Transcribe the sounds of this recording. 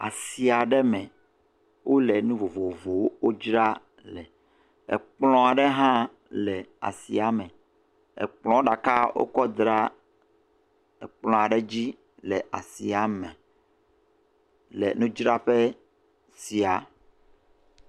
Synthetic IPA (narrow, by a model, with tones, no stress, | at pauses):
a̰˨si˨a˨ɖɛ˦mɛ̃˨ | wʔo˦lɛ˨nũ˦vo˨vo˨vo˨wo˦wo˦d͡ʒɾa˦ | lɛ˨ | ɛ̰˨k͡plɔ̃˦a˨ɖɛ˦ɦã˦ | lɛ˨a̰˨sḭ˨a˨mɛ̃˨ | ɛ̰˨k͡plɔ̃˦o˦ɖa˨ka˦wo̰˦kɔ˦d̪ɾa˦ | ɛ˨k͡plɔ̃˦˨a˨ɖɛ˦d͡ʑi˦ | lɛ˨ʔa̰˨sḭ˨a˨mɛ̃˨ | lɛ̰˨nũ˦d͡ʒɾa˦ɸɛ˦ | si˨a˨